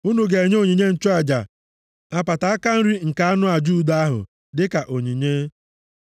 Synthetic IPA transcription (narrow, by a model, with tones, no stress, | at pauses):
u˦nu˨ɡe˨e˨ɲ˦o˦ɲi˨ɲe˦n̩˦t͡ʃo˦a˨d͡ʒa̰˨ | a˨pa˨ta˨a˦ka˦n̩˦ɾi˦ŋ̩˨ka˨a˦nʊ˦a˨d͡ʒu˦˨da˦a˦ɦʊ̰˨ | dɪ˦ka˨ʔo˨ɲi˨ɲe˦